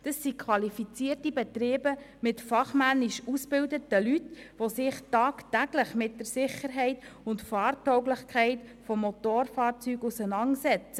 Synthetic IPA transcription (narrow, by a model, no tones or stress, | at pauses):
d̥ɑsːikʰwɑlifit͡siːrtibɛtɾɪːbə | mɪtfɑχmænːiʃusb̥ɪldətəlytʋosɪχtɑːktæɡləχmɪt̚d̥əɾsɪχəɾɦɛɪtʊntfɑːrtɔwɡlɪχkʰɛɪt | fɔmːot̪oːɾfɑːɾt͡syːɡusənɑŋsɛt͡sə